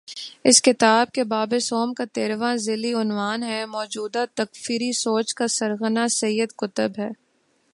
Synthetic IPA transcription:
ɪskɪt̪aːb̚kebaːbesoːmkat̪eːɾʋãzɪliʊnʋaːnɦɛmɔːd͡ʒuːd̪at̪ɐkfiːɾisoːt͡ʃkasɐɾɣənasɐjːəd̪kʊt̪əbɦɛː

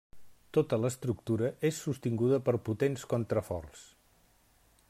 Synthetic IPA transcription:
t̪ot̪ələst̪ɾuk̚t̪uɾəʔesːust̪iŋɡuðəpəɾput̪enskont̪ɾəfɔ̰rs

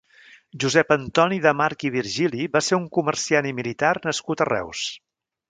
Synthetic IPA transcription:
ʒuzɛpənt̪ɔniðəmaɾkiβ̞iɾʒiliβaseɾuŋkuməɾsianimilit̪arnəskut̪ərɛ̰ws

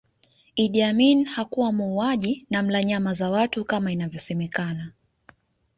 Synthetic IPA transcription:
iɗiaminhakuwamuːaʄinam̩laɲamazawatukamainavjɔsɛmɛkana

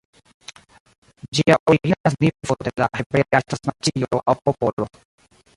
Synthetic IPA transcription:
d͡ʒiaʔoɾiɡinas̬nivod̪elahebɾeastasmat͡ʃiooʔawpopolo

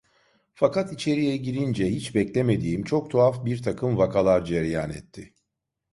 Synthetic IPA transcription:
fakat̪it͡ʃʰe̞ɾijɛɟiɾind͡ʒɛhit͡ʃbɛclʲe̞me̞d̪iːmt͡ʃʰok̚t̪ʰoafbiɾt̪ʰakʰɯmvakʰalˠaɾd͡ʒɛɾjaːnɛ̰t̪ʰːɪ

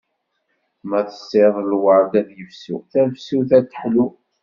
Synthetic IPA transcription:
mæθə̥sːeðˤəlwəɾɡæðjəfsṵθævsuθæt͡s̪ːə̥ħlu

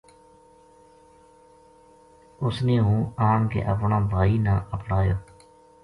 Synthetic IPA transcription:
ʊsnẽːɦũːaːŋkḛːʔəpɳãːbʱaːiːnãːʔəpɽaːjoː

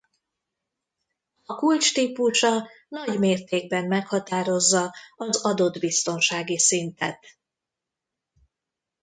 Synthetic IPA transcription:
ɒkult͡ʃt̪iːpuʃɒ | nɒɟmeːrt̪eːɡ̚bɛmːɛkhɒt̪aːɾo̞zːɒɒzɒd̪o̞d̪bist̪o̞nʃaːɡisint̪ɛ̰t̪

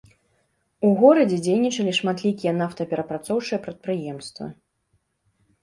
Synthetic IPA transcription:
uɣɔɾɐd͡zʲɛd͡zʲejnʲit͡ʂɐlʲiʂmat̪lʲikʲijɛnaft̪ɐpʲɛɾɐpɾat̪sɔwt͡ʂɨjɛpɾɐt̪̚pɾɨjɛmst̪vɐ̰

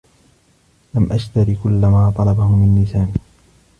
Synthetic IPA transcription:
lamʔaʃt̪aɾikʊlːamaːt̪ˤɑlɑbahʊmɪnːɪsaːn

